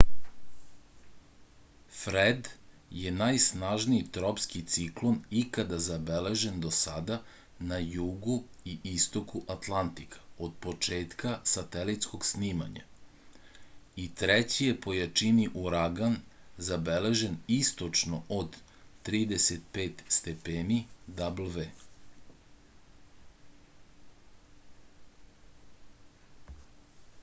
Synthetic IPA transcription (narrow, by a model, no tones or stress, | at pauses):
fɾed̪ | jenajsnaʒniit̪ɾopskit̪siklˠo̞nikad̪azabele̞ʒe̞nd̪o̞sad̪a | najuɡuiist̪o̞kuʔat̪lˠant̪ikʰḁod̪̚po̞t͡ʃe̞ːt̪kasat̪elit̪sko̞ɡsniːma̰ɲa̰ | it̪ɾet͡ɕijepo̞jat͡ʃiniʔuɾaɡanzabele̞ʒenist̪ot͡ʃno̞ʔod̪ːɾiːd̪eset̪̚peːt̪st̪epeːnid̪ablʋe